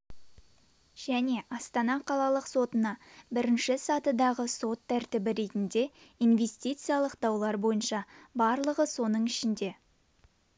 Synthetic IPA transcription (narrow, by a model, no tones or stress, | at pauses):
ʒ̥æne̞ʔɑst̪ɑnɑqʰɑlˠɑlˠəqso̞t̪ənɑbɪɾɪnʃɪsɑt̪əd̪ɑʁəso̞t̪ʰːæɾt̪ɪbɪɾe̞t̪ɪnd̪e̞ijnve̞st̪ijt̪sɨjalˠəqd̪ɑwlˠɑɾbo̞jənʃɑbɑɾlˠəʁəso̞nəɴɪʃɪnd̪e̞